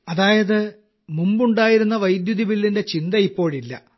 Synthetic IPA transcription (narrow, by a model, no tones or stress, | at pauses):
ɐðaːjɐðɨ | mumbuɳɖaːjiɾunːɐʋɐjd̪juðiʋilːinde̞t͡ɕind̪ɐipːo̞ːɻilːɐ̰